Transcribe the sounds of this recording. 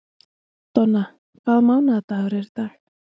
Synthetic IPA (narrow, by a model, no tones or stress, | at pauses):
t̪ɔna | kʰvaːðmawnat̪aɣɾɛɾt̪a